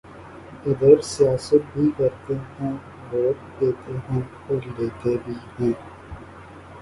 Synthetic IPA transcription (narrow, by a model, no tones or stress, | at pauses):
ɪd̪əɾsijaːsət̪̚bʱiːkɐɾt̪eɦũː | loːʈkeːt̪eːɦũː | oɾileːt̪eːbʱiːɦũː